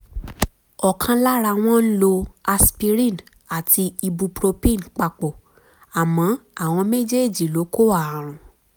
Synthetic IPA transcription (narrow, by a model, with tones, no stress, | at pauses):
ɔ˨kʰã˧la˦ɾa˧w̃ɔ̃˦n̩˦lo˧a˧spi˧ɾĩ˦˨n | a˨tʰi˧i˧bu˧pɾo˧pĩ˦˨n˨k͡pa˧k͡po˨ | a˨mɔ̃˨˦a˦˨w̃ɔ̃˧me˦d͡ʒe˦˨d͡ʒi˨lo˨˦ko˦˨a˦˨a˨ɾ̃ũ˨